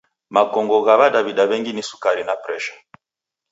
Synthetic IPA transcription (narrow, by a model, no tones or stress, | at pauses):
makɔŋɡɔɣaβadaβidaβɛŋɡinisu̥kaɾinapɾɛʃḁ